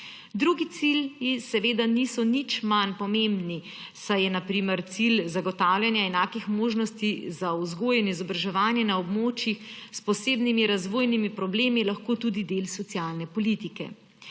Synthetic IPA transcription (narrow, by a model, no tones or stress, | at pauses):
d̪ɾuɡit̪siljisɛʋeːd̪anisɔnit͡ʃmanpɔmembni | sajɛnapɾiːmɛɾt̪silzaɡɔt̪aːwljanjaɛnaːkixmoːʒnɔst̪izauzɡoːjɛnizɔbɾaʒɛʋaːnjɛnaɔbmoːt͡ʃjixspɔseːbnimiɾazʋoːjnimipɾɔbleːmilaxkoːt̪uːd̪id̪eːlsɔt̪siaːlnɛpɔlit̪ikɛ̰